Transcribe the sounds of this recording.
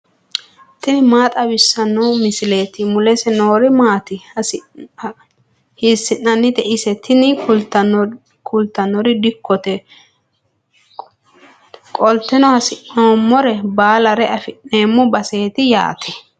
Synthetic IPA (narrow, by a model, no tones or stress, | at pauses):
t̪ɪnɪmaːt̪ʼɐbɪsːɐnːɔmɪsɪleːt̪ɪmʊlɛsɛnoːɾɪmaːt̪ɪ | hɪsːɪnːɐnːɪt̪ɛʔɪsɛt̪ʰɪnɪʊ | kʰʊlt̪ːɐnːɔɾɪd̪ɪkʰːɔt̪ɛ | kʼɔlt̪ːɛnɔhɐsɪʔoːmːɔɾɛbaːlɐɾɛɐfɪnːe̞ːmːʊbɐse̞ːt̪ɪja̰ːt̪ʰɛ̥